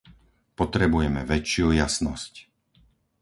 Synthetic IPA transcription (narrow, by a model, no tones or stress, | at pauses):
pɔt̪ɾɛbujɛmɛʋɛt͡ʃɪujasnɔsc